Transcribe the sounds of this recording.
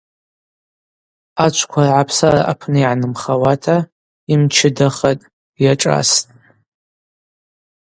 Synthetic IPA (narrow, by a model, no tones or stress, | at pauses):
at͡ʃʷʰkʷʰarʕapʰsara̰ʔapʰnɨiʕanɨmχawatʰa | imt͡ʃʰɪdaχatʼ | jaʈ͡ʂʼa̰stʼ